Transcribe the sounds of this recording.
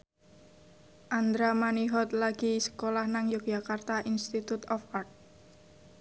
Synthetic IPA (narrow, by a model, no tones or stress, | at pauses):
ʔand̪ɾamaniɦɔt̪̚laɡ̥isə̥kolahnaŋjo̥ʒ̥akart̪aʔinst̪it̪ut̪ɔfart̪̚